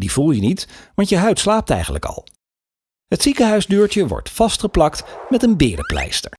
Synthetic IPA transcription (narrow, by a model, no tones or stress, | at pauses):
div̥ulˠjənitʋɑntjəɦœɥtslaːp̚tɛ̰jχənlə̰kɑ̰lˠ | ɦətsikəɦœɥzdøːɹt͡ʃəʋɔ̰ɹtfɑstχəplɑktmɛtənbɪːdəplɛ̰jstəɹ